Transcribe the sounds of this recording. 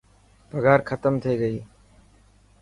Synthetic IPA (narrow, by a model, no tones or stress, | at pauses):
bəɡʱaːɾkʰət̪əmt̪ʰəiːɡəiː